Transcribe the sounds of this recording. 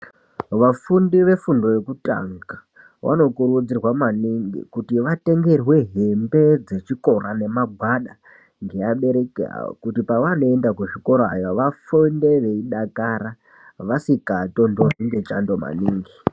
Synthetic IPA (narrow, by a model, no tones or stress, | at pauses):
ʋafundiʋe̞fundo̞je̞kuta̰ŋɡa | wʔa̰no̞kurud͡zirwamaniŋɡḭkutiʋate̞ŋɡe̞rwe̞ɦe̞mbe̞d͡ze̞t͡ʃiko̞rane̞maɡʱwaɗa̰ | ŋɡe̞jaɓe̞ɾe̞kera̰kutipaʋano̞endakuʐiko̞ɾoa̰jaʋafonde̞ʋe̞iɗakaɾa | ʋasikato̞ndoriŋɡe̞t͡ʃando̞ma̰niːŋɡi